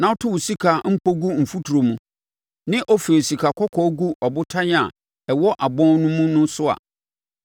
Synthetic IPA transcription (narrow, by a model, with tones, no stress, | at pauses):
nã˨ɔ˦tʰʊ˦wu˨si˦kʰa˨m̩˦pʰo˦ɡu˦m̩˨fu˦tʰu˨ɾo˨mũ˨ | nɪ̃˦ʔɔ˦fe˨o˨si˨kʰa˨kʰɔ˦kʰɔ˦ɡu˦ʔɔ˨bʊ˦tʰa˦ɲ˦a̰˨ | ɛ˨wɔ˦ʔa˨bɔ̃˦nʊ̃˦mũ˦nʊ̃˦sʊ˦a̰˨